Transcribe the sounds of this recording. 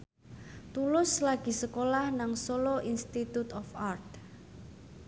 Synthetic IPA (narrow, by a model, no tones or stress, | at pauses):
t̪ulʊslaɡ̥i̤səkolahnaŋsoloʔinst̪it̪ut̪ɔfart̪̚